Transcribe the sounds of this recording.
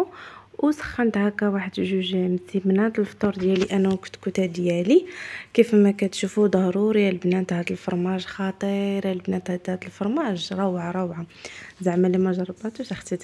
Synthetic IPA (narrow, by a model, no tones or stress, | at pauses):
wsə̥xːənt̪hækæwaħəd̪ʒuʒmsibnæt̪lft̪ˤuɾˤd̪jæliʔænːækt̪kut̪æd̪jælikifmːækæt̪ʃufud̪ˤɑɾˤuɾjælbnæt̪hæd̪əlfɑɾˤmæʒxɑt̪ˤəɾjælbnæt̪hæd̪hæd̪əlfɑɾˤmæʒɾˤɑwʕaɾˤɑwʕazaʕmælimʊʒɾˤɑbæt̪ut̪axt̪ət̪